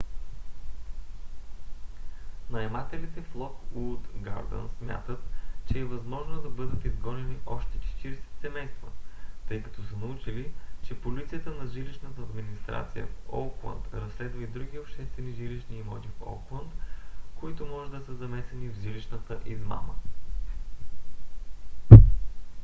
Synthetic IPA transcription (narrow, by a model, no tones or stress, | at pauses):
nɐɛmat̪ɛlit̪ɛflˠɔkut̪ɡa̰ɾd̪ə̰nsmʲja̰t̪ət̪t͡ʃɛːvɐzmɔʒnod̪ɐbɤd̪ət̪izɡɔnɛniʔɔʃt̪ɛ̥t͡ʃɛ̥t̪iɾɛsɛ̥t̪sɛmɛjst̪və̰t̪ɤjkɐ̥t̪ɔsənɐut͡ʃilit͡ʃɛpolit̪sijət̪ənɐʒiliʃnət̪əːd̪minist̪ɾa̰t̪sijə̰o̰klˠə̰nt̪ɾɐsːlɛd̪vəid̪ɾuɡʲiopʃt̪ɛst̪vɛniʒiliʃniːmɔ̰t̪ifo̰klˠənt̪koit̪omɔʒɛd̪ɐsəzɐmɛsɛnivʒiliʃnət̪əʔizma̰mə